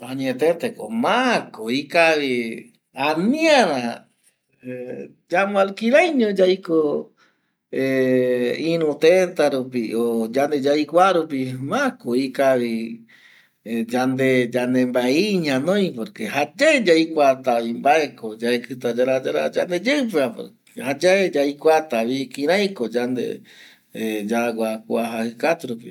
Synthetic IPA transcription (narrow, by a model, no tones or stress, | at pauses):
aɲet̪et̪ekomãkoikaβi | anĩaɾa | d͡ʒamõalkiɾajɲõd͡ʒajko | e | ĩɾũt̪ent̪aɾup̬iod͡ʒand̪ed͡ʒajkʷaɾup̬imakoikaβi | d͡ʒand̪ed͡ʒand̪embaeiɲãnõj̃poɾkehad͡ʒaed͡ʒajkʷat̪aβimbaekod͡ʒaekɨt̪ad͡ʒaɾad͡ʒaɾa̰d͡ʒand̪ed͡ʒeɨpeapo̰ɾ | had͡ʒaed͡ʒajkʷat̪aβikĩɾ̃ãj̃kod͡ʒand̪ḛ | ed͡ʒaɡʷakʷaɦahɨkat̪uɾupi